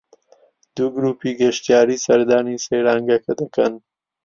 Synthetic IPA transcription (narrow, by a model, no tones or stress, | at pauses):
d̪uɡɾupiɡaʃt̪jɑːɾisɐɾd̪ɑːniseɽɑːŋɡakad̪aka̰n